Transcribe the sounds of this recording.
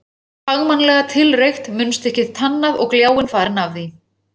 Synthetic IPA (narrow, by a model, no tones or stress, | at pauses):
faɣmanlɛɣat̪ʰɪlrejxt̪mʏnst̪ɛhcɪðt̪ʰanːaðɔ̰ɣkljaːwɪnfaːɾɪnavði